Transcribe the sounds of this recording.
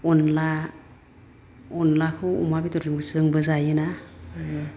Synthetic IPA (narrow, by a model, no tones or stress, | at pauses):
ɔnla | ɔnlakʰɯwṵmabitɔɾɯŋɡɯsɯŋbɯzajɯna